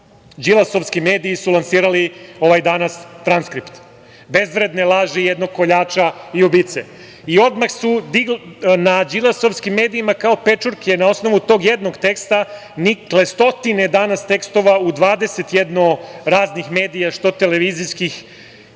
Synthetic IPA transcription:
d͡ʒilˠasoʋskimeːd̪iːsulˠansiːɾalio̞ʋajd̪anast̪ɾanskɾipt̪ | be̞zʋɾed̪ne̞lˠaːʒejed̪noɡ̚ko̞ʎaːt͡ʃaiubiːt̪se | io̞d̪maxsud̪iɡlnad͡ʒilˠasoʋskimːe̞ːd̪iimakao̞pe̞t͡ʂuɾkʰenao̞sno̞ʋut̪o̞ːɡjed̪noɡt̪e̞kst̪a | nikle̞st̪o̞t̪ined̪anast̪e̞kst̪o̞ʋaud̪ʋaːd̪ese̞t̪jed̪noɾaːznixme̞ːd̪ijaʂt̪o̞t̪ele̞ʋiziskix

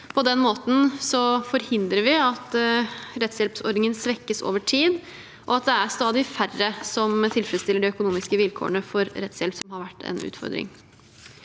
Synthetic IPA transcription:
pʰɔd̪ɛnːmoːt̪n̩sɔfɔɾhɪnd̪ɾəʋɪɑt̪ɾɛt̪sjɛlpsɔɾɖ̪nɪŋənsʋɛkːəso̰ːʋəʈʰiːd̪ | ʔɔɑt̪̚d̪ɛæɾst̪ɑːd̪ɪfærːəsɔmt̪ʰɪlfəɾɛt̪st̪ɪlːəɖɛœkʊnuːmɪskəʋɪlkʰo̰ːəɳəfɔɾɾɛt̪sjɛlpsɔmɦɑɾʋæʈːɛ̰nʉ̰ːt̪fɔ̰ɾd̪ɾɪ̰ŋ

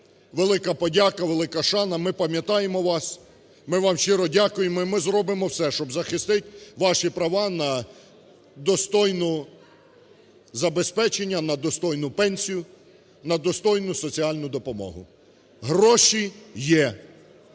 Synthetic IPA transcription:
ʋelˠɪkɐpɔdʲakɐʋelˠɪkɐʃɑnɐmɪpɐmʲjɐt̪ɑjemɔʋɑs | mɪʋɑmʃt͡ʃɪɾɔdʲakʊjemɔimɪzrɔbɪmɔwsɛʃt͡ʃɔbzɐxɪst̪ɪtʲʋɑʃipɾɐʋɑnɐ | d̪ɔst̪ɔjnʊ | zɐbespɛt͡ʃenʲːɐnɐd̪ɔst̪ɔjnʊpɛnʲsʲijʊ | nɐd̪ɔst̪ɔjnʊsɔt͡sʲiɑlʲnʊd̪ɔpɔmɔ̰ɦʊ̰ | ɦrɔʃijɛ

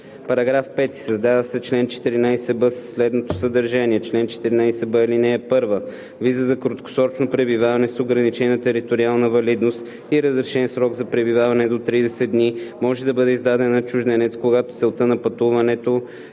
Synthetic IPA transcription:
pɐɾɐɡɾafpɛt̪i̥sɐzd̪avəsɛt͡ʃlɛnt͡ʃɛ̥t̪iɾinajsɛbəsə̥sːlɛd̪not̪osəd̪ɐɾʒaniɛt͡ʃlɛnt͡ʃɛ̥t̪iɾinajsɛbəlinɛːpɤɾvə | vizəzɐkɾot̪̚ko̥sɔt͡ʃnopɾɛbivavɐnɛsoɡɾɐnit͡ʃɛnət̪ɛɾit̪oɾialˠnəvɐlid̪nost̪ | iɾəzɾɛʃɛnsɾɔɡzɐpɾɛbivavɐnɛd̪ot̪ɾid̪ɛsɛd̪nimɔʒɛd̪ɐbɤd̪ɛizd̪ad̪ɛnːɐt͡ʃuʒd̪ɛnɛt̪skoɡat̪ot̪sɛlˠt̪ənɐpɐt̪uvɐnɛt̪o

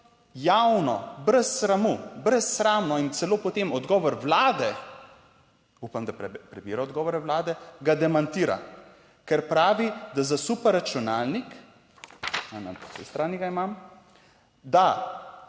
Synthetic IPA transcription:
jawnɔ̰bɾɛsːɾamubɾɛsːɾaːmnɔint̪sɛloːpɔt̪emɔd̪ɡɔːʋɔɾwlaːd̪ɛ | upamd̪apɾɛbiːɾaɔd̪ɡɔːʋɔɾɛwlaːd̪ɛɡad̪ɛmant̪iːɾa̰ | kɛɾpɾaːʋid̪azasupɛɾːat͡ʃunalnik | ana̰pɔsɛ̰jst̪ɾaːniɡaimam | d̪a

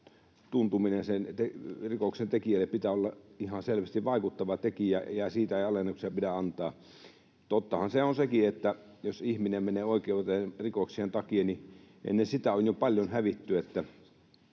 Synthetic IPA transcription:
t̪unt̪uminensent̪erikoksent̪ekiælːeppit̪æolːɑihɑselʋæst̪iʋʋɑˑikut̪ːɑʋɑt̪ekijæjæsiːt̪æeiɑlenːuksiɑpidæɑnt̪ˑɑː | t̪ot̪ːɑhɑnseonsekiet̪ːæ | josihminemmeneːoˑikeˑut̪enrikoksient̪ɑkienniʔḛnːensit̪æonjopɑlʲjonhæʋit̪ːyet̪ːæ

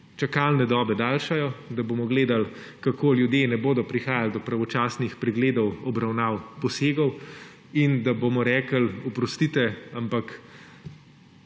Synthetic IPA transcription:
t͡ʃakaːlnɛd̪ɔːbɛd̪aːlʃajɔd̪aboːmɔɡleːd̪al | kakʰoːljud̪jeːnɛboːd̪ɔpɾixaːjald̪ɔpɾaʋɔt͡ʃaːsnixpɾɛɡleːd̪ɔwɔbɾawnaːwpɔseːɡɔw | ind̪abomɔɾɛːkəlɔpɾɔst̪it̪ɛampak

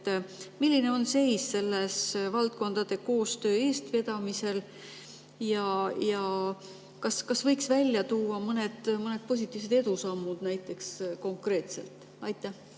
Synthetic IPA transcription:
milʲːine̞o̞nse̞jsse̞lːesvɑlt̪̚ko̞nd̪̥ɑd̪̥e̞ko̞ːst̪ø̞ːe̞ːst̪ve̞d̪̥ɑmise̞l | jɑjɑ | kɑskɑsvɤjksvælʲjɑt̪uːɑmɤne̞d̪̥mɤne̞d̪̥̚pos̬ʲit̪ːˑiːvs̬e̞d̪e̞d̪̥usɑmːud̪̥næjt̪ːˑe̞ksko̞ŋkre̞ːt̪se̞̰lt̪ˑ | ɑjt̪ːˑæh

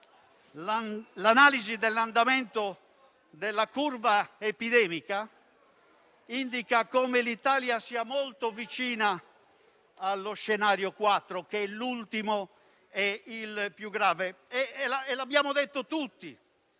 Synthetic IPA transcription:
lanaːlizid̪ɛlːand̪amɛnt̪o | d̪ɛlːakuɾvaepiðɛːmika | ind̪ikakomelit̪aːljasiːamolt̪ovit͡ʃiːna | lːosʃːɛnaːɾjokwat̪ːɾokeɛlːult̪imo | ɛilpjuɡɾaːveɛlaɛlabːjaːmod̪et̪ːot̪ut̪ːi

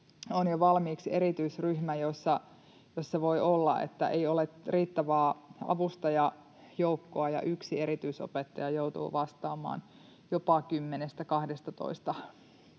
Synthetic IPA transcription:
onjoʋɑlmiːkseɾit̪yisryhmæjosːɑ | josːɑʋoiʔolːɑ̰ʔḛt̪ːæ̰ʔeioleriːt̪ːæʋæːɑ̰ʋust̪ɑjɑ | joukːoɑjɑ̰ʔyksieɾit̪yiso̰pet̪ːɑjɑjouwt̪ṵːʋɑst̪ɑːmɑ̰ːn | jopɑkymːenest̪ækɑhdest̪ɑt̪o̰ist̪ɑ

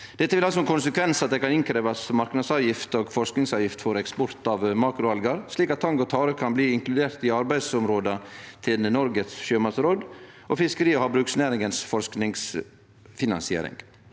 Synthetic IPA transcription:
d̪̥ɛt̪ːəʋɪlhɑlsɔɛnkʰʊnsəkʰʋɛnsɑt̪̚d̪ɛkɑnɪŋkʰɾeːʋɑsmɑɾknɑd̪sɑːʋjɪft̪oːɡfɔɾsknɪŋsɑːʋjɪft̪fɔɾɛkspɔɾt̪ɑʋmɑːkɾʊɑlɡəɾsliːkɑt̪ʰːɑŋɡɔt̪ʰɑːɾəkʰɑnbliːɪŋklʉd̪eːɾt̪ɪɑɾbæɪd̪sɔmɾoːd̪ət̪ʰɪlnɔɾɡət̪sʃøːmɑsəɾoːd̪ | ʔɔfɪskəɾiːɔhɑbɾʉːksnæːɾɪŋɡənsfɔɾsknɪŋs | fɪnɑ̰nsɪḛːɾɪ̰ŋ

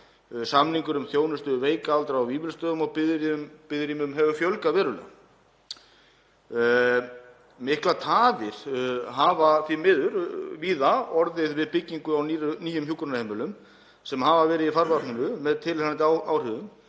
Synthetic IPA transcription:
samniŋkʏɾʏmθjoːwnʏst̪ʏveːjkaalt̪ɾawviːvɪlst̪œːðʏmɔɣpɪðɾmpɪðɾimʏmɦɛvʏfjœlkavɛːɾʏl̰ | mɪhklat̪ʰaːvɪɾ̥ɦaːvaθimɪðʏɾviːðaɔɾðɪðvɪðpɪcːiŋkʏawniniːjʏmçjukɾʏnahemːɪlʏm | sɛmɦavavɛːɾɪðifaɾvḁnʏnʏmɛðt̪ʰɪlhaant̪ɪawawr̥ʏðʏm

